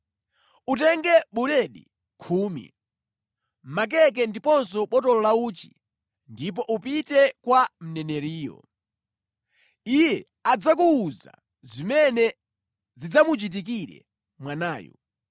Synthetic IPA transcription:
utɛŋɡɛɓulɛɗḭ | kʰuːmḭ | m̩mak̬ɛk̬ɛndipɔnsɔɓɔtɔlɔlauːt͡ʃi̥ | ndipɔʔupitɛkwam̩nɛnɛɾiːjɔ̰ | ijɛ | ad͡zak̬uːza̰ | zimɛnɛ | zid͡zamut͡ʃit̬ik̬iɾɛ̰ | mwanaːjɔ̰

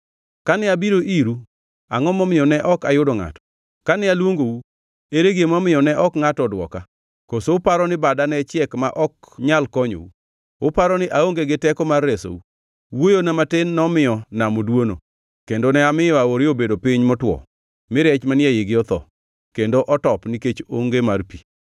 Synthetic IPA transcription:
kanɪabiɾoʔiɾu | aŋɔmɔmɪjɔnɛʔɔkajʊdɔŋa̰tɔ̥ | kanɪalwoŋɡou | eɾeɡemɔmɪjɔnɛʔɔkŋatɔdwɔ̰ka | kosoʊpaɾɔnɪbadanɛt͡ʃjɛkmaʔɔk | ɲalkɔɲo̰u | ʊpaɾɔnɪʔaoŋɡeɡɪtɛkɔmarːeso̰u | wojonamatɪnːɔmɪjɔnamɔdwono̰ | kendonɛamɪjɔaoɾɪobedopɪɲmɔtwɔ̰ | mɪɾɛt͡ʃmanɪɛjɪɡɪɔt̪ɔ̰ | kendoʔɔtɔpniket͡ʃoŋɡemarpi

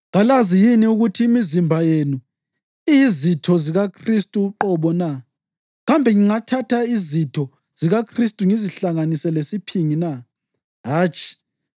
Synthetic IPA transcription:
ɣalazijiniuɣutʰiːmizimbʱajenu | iizitʰɔziɣakʰristʼuːǃɔβɔna | ɣambʱɛŋiŋatʰatʰaizitʰɔ | z̥iɣakʰristʼuŋiziɬaŋanisɛlesipʰiŋina | ɦaːt͡ʃʼi̥

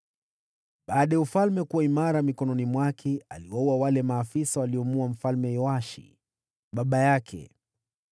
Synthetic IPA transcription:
ɓaːɗajaufalmɛkuwaimaɾamikɔnɔnimwakʰɛaliwauwawalɛmaːfisawaliɔmuam̩falmɛjɔaʃḭ | ɓaɓajakʰɛ̰

